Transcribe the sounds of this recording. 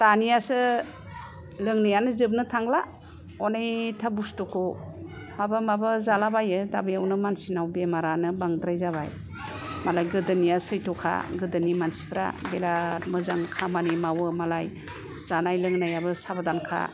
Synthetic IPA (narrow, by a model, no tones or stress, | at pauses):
tanijasɯ | lɯŋnɯjanɯzɯb̚nɯtʰaŋla | ɔnejtʰabustɔkʰɔ | mabɯmabɯzalabajɯdabijawnɯmansinawbemaɾanɯbaŋdɾajzaβa̰j | malajɡɯdɯnijasɯjtʰɔkʰa̰ɡɯdɯnimansi̥pʰɾa̰ɡelatmɯzaŋkʰamanijmawɯmalaj | z̥anajlɯŋnajabɯsabadankʰa̰